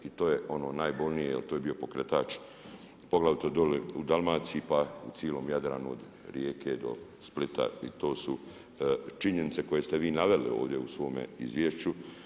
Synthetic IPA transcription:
it̪oːjeo̞no̞ːnaːjbo̞ʎnijejelt̪oje̞bio̞po̞kɾet̪aːt͡ʃ | poɡlˠaʋit̪od̪oliud̪alˠmaːt̪siipaṵtsjelo̞ːmjad̪ɾa̰ːnuo̰d̪ | ɾjeːkʰed̪o̞̰split̪a̰it̪o̞ːsu | t͡ʃiɲenit̪se̞ko̞je̞st̪eʋiːnaʋelio̞ːʋd̪jeusʋo̞ːmḛḭzʋjeːʃt͡ɕu

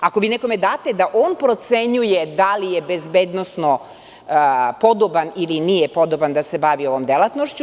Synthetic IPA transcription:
akoʋiːneko̞med̪aːt̪ed̪aʔoːnpɾo̞t̪seɲujed̪alijebezbeːd̪nosno | pod̪obanilinijepo̞d̪oband̪asebaʋio̞ʋo̞md̪elˠat̪noʃt͡ɕu

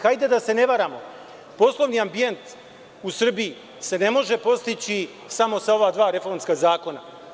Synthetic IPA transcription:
xajd̪ed̪ase̞ne̞ʋaɾaːmo̞ | po̞slˠo̞ʋniambie̞nt̪ | usr̩bii | se̞ne̞mo̞ʒe̞po̞st̪it͡ɕi | samo̞sao̞ʋad̪ʋaːɾe̞fo̞ɾmskazaːko̞na̰

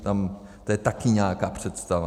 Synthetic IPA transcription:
t̪am | t̪ojɛt̪akɪɲaːkaːpr̝̥ɛt̪st̪ava

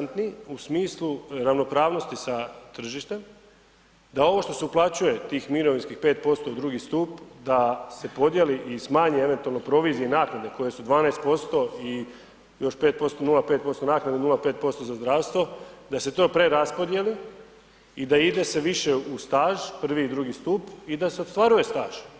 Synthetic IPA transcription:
nt̪niusmiːslˠuɾaʋno̞pɾaːʋno̞st̪isat̪r̩ʒiʃt̪e̞m | d̪ao̞ʋo̞ʃt̪o̞seuplˠat͡ɕuje̞t̪iːxmiɾo̞ʋinskixpet̪̚po̞st̪oud̪ɾuːɡist̪uːpd̪ase̞po̞d̪je̞liʔismaːɲie̞ʋent̪ualˠno̞pɾo̞ʋiːzienaːknad̪e̞ko̞je̞sud̪ʋaːnajst̪po̞st̪o̞i | jo̞ʃpe̞ːt̪̚po̞st̪onulˠapet̪̚po̞st̪o̞naːknad̪enulape̞ːt̪̚po̞st̪ozazd̪ɾaːʋst̪ʋo̞d̪ase̞t̪o̞ːpɾe̞ɾaspo̞d̪je̞li | id̪aid̪e̞se̞ʋiʃe̞ust̪aːʒpr̩ʋiːd̪ɾuːɡist̪uːpid̪aseot̪st̪ʋaɾuje̞st̪aːʒ̥

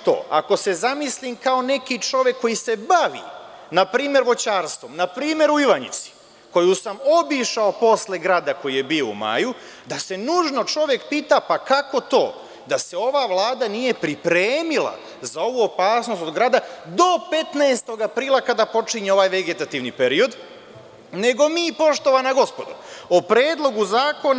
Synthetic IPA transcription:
t̪o̰a̰ko̞se̞zamislimkao̞ne̞kit͡ʂo̞ʋje̞kːo̞jise̞baʋḭnapɾiːmje̞ɾʋo̞t͡ɕaːɾst̪vʋo̞mnapɾiːme̞ɾuiʋaɲḭt̪si̥ | ko̞jusamo̞biʃao̞po̞sle̞ɡɾaːd̪ako̞jije̞bio̞ṵma̰ju | d̪ase̞nuʒno̞t͡ʃo̞ʋje̞kpiːt̪apakako̞t̪o̞̰ː | d̪ase̞o̞ʋaːʋlˠaːd̪anije̞pɾipɾeːmila̰ | zao̞ʋuːo̞paːsno̞st̪od̪ɡɾaːd̪ad̪o̞pe̞t̪naest̪o̞ɡapɾiːlˠakad̪apo̞t͡ʃiɲe̞o̞ʋaːjʋeɡe̞t̪at̪iːʋnipe̞ɾio̞d̪ | ne̞ɡo̞mipo̞ʃt̪o̞ʋanaɡo̞spo̞d̪oopɾeːd̪lˠo̞ɡuzaːko̞n

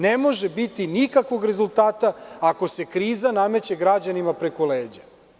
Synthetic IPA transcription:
nemo̞ʒebit̪inikakʋo̞ɡɾe̞zulˠt̪aːt̪aːko̞se̞kɾiːzaname̞t͡ɕeɡɾad͡ʑanimapɾe̞koleːd͡ʑa

